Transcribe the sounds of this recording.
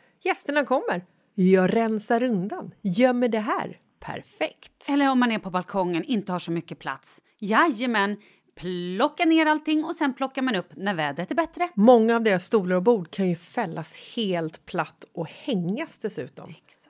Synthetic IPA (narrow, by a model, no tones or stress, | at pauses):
jɛst̪əɳakʰɔmːəɾ | jɑɾɛnsaɾɵnd̪anjœːmːɛd̪ɛɦæ̰ːɾ | pʰæ̰ɾfɛkt̪ɛlːəɾɔmːanæɾpʰɔbalkʰɔŋːənɪnt̪əhaʂɔmʏkːəpʰla̰t̪s | jajːəmɛn | pʰlɔkːaneːɾalt̪ɪŋːɔsɛnpʰlɔkːaɾmanɵpːnæɾvɛːd̪ɾət̪æɾbɛt̪ɾəmɔŋːaːvd̪eːɾasst̪uːləɾɔbuːɖkʰanjɵfɛlːasheːlt̪pʰlat̪ːɔhɛŋːasd̪ɛsʉ̟̰ːt̪ɔ̰m